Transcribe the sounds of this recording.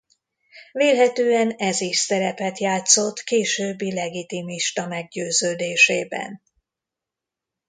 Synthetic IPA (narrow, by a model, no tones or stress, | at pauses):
veːlɦɛt̪øːɛnɛziʃsɛɾɛpɛt̪jaːt̪so̞t̪keːʃøːbːilɛɡit̪imiʃt̪ɒmɛɡɟøːzøːd̪eːʃḛːbɛ̰n